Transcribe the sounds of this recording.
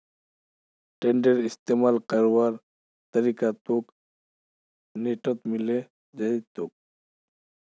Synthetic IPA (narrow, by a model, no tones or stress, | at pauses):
ʈeɳɖeɾɪst̪eːmaːlkəɾwaːɾ | t̪əɾikat̪ok | neːʈət̪mɪle | d͡ʒəit̪ok̚